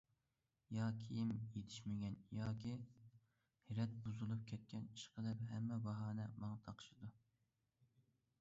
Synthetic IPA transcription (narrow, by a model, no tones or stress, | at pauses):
jɑːkʲʰijimjet̪ʰɪʃmɪɡʲɛnjɑːkʲʰi | hɪɾɛt̪̚buzɨlˠup̚kʲʰɛt̪̚kʲʰɛniʃqʰəlɨp̚ɦɛmːɛbɑɦɑːnɛmɑŋɑt̪ʰɑqʰə̥ʃɨd̪u